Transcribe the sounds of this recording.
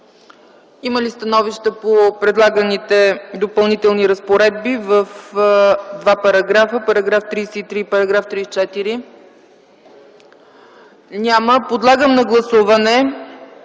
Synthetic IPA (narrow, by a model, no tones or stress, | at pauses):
iməlist̪ɐnɔviʃt̪əpopɾɛd̪lˠaɡənit̪ɛd̪opɐlˠnit̪ɛlˠniɾəspoɾɛd̪̚bivəf | d̪vapɐɾɐɡɾafəpɐɾɐɡɾaft̪ɾiːsɛit̪ɾipɐɾɐɡɾaft̪ɾiːsɛt͡ʃɛt̪iɾi | nʲaməpod̪lˠaɡəmnɐɡlˠɐsuvɐnɛ